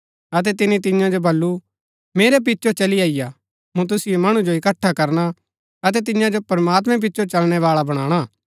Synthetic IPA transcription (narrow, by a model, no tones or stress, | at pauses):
ɐt̪̬ɛt̪̬ɪnit̪ɪ̃jãd͡ʒobɐlːu | meːɾɛp̬ɪtːʃʰot͡ʃɐliaːɪja | mũt̪̬ʊsɪjemɐɽ̃ud͡ʒoɪkɐʈʰːakɐɾña | ɐt̪̬ɛt̪̬ɪ̃jãd͡ʒopɐɾmaːt̪̬mɛ̃p̬ɪtːʃʰot͡ʃɐlɽ̃ɛʋaːɭabɐɽ̃ãːɽ̃a